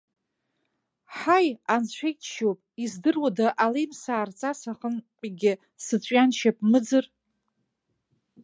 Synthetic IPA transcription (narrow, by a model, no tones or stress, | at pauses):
ħajant͡ɕʷʰejtʰʃopʼizdɨrwadaʔalejmsaːrt͡sʼasaχənpʼiɡʲɪ | sɨt͡ɕʷʼɥanʃʰap̚ʼmɨd͡zɨr